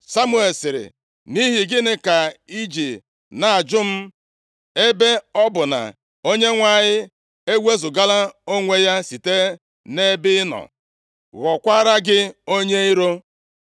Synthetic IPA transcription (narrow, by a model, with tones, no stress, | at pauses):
sa˦mu˦e˨lsɪ˨ɾɪ̰˨ | ni˦ɦi˨ɡɪ˦nɪ˦ka˨i˦d͡ʒi˨ | na˨a˨d͡ʒʊ˦m̩˦ | e˦be˦ɔ˦bʊ˨na̰˨ | o˦ɲe˦ŋʷa˨ɲɪ˦ | e˦we˦zʊ˨ɡa˦la˦o˦ŋʷe˦ja˦si˨te˦ | ne˦bɪ˦nɔ̰˨ | ɣɔ˨kʷa˦ɾa˦ɡɪ˦o˦ɲe˦i˦ɾo˦